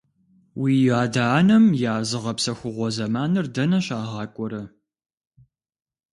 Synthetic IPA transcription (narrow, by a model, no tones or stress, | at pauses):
wiːjaːdaːnɐmjaːzɨʁɐpsɐxʷʊʁʷɔzɐmaːnɨrdɐnɐɕaːʁɑːkʷʼɔɾɐ